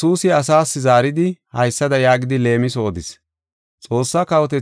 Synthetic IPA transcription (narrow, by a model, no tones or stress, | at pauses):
uːsɪɐsaːsːɪzaːɾɪd̪ɪhɐjsːɐd̪ɐjaːɡɪd̪ɪle̞ːmɪsoːd̪ɪs | t͡sʼo̞ːsːaːkɐwɔt̪ɛ